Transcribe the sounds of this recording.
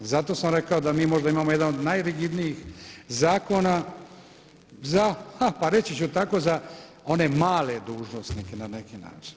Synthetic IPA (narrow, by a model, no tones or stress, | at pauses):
zat̪o̞ːsamɾe̞kao̞d̪amiːmo̞ʒd̪aimaːmojed̪anod̪najɾiɡid̪nijixzaːko̞na | zahapaɾe̞t͡ɕit͡ɕut̪ako̞za | o̞ne̞maːle̞d̪uːʒno̞sniːke̞nanekina̰ːt͡ʃi̥n